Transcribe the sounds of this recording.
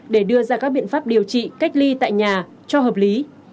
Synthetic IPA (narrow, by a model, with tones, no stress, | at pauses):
ɗe˧˩ɗɨ˧əzaː˧kaː˦˥k̚ɓḭ˧˨ənfaː˦˥p̚ɗi˨˩əwt͡ɕḭ˧˨ka˦˥k̚li˧t̪a̰ː˧˨jɲaː˨˩ | t͡ɕɔ˧həː˨˩p̚li˨˦